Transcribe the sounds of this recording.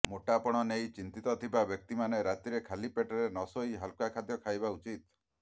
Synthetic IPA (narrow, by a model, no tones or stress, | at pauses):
moʈapɔɽ̃ɔnejt͡ʃint̪it̪ɔt̪ʰibabjɔk̚t̪imaneɾat̪iɾekʰalipeʈɔɾenɔsoiɦalkakʰad̪jɔkʰajbaut͡ʃit̪